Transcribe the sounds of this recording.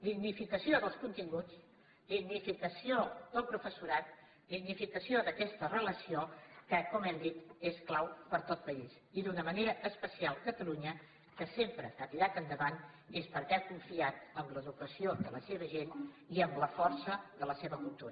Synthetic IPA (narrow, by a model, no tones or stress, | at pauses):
d̪iɣnifikəsioðəlˠskunt̪iŋɡut͡s | d̪iɣnifikəsiod̪əlˠpɾufəsuɾat̪̚ | d̪iɣnifikəsioðəkɛst̪ərələsiokəakɔmɛmd̪it̪esklawpəɾt̪ot̪̚pəis | iðunəməneɾəʔːspəsialˠkət̪əluɲə | kəsempɾəat̪iɾat̪ənd̪əβan | espəɾkɛkuɱfiat̪əmləðukəsioðələseβəʒen | iəmləfɔrsəðələseβəkulˠt̪uɾə